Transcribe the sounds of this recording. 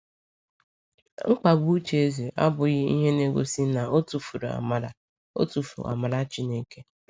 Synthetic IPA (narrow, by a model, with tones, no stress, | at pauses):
ŋ͡m̩˦k͡pa˨ɡu˦u˦t͡ʃe˨e˦ze˨ʔa˦bʊ˨ɣɪ˦i˦ɦe˦ne˦ɡʷo̰˨si˦na˨o˦tu˨fu˨ɾ̰a̰˨ma˨ɾa̰˨ | o̰˦tu˨fṵ˨a̰˨ma˨ɾa˦t͡ʃɪ˨ne˦ke˦